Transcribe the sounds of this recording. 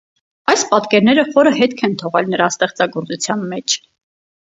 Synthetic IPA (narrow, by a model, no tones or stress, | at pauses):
ɑjspɑt̪kɛɾnɛɾəχɔɾəɦɛt̪kʰɛnt̪ʰɔʁɛlnəɾɑst̪ɛχt͡sɑɡɔɾt͡sut͡sʰjɑnmɛt͡ʃʰ